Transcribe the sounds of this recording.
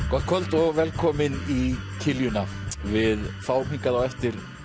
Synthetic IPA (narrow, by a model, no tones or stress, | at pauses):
kʰɔ̥kʰœlt̪ɔɣvɛlkʰɔːmɪnicʰɪljʏnavɪðfaːwmiŋkaðawɛft̪ɪɾ̥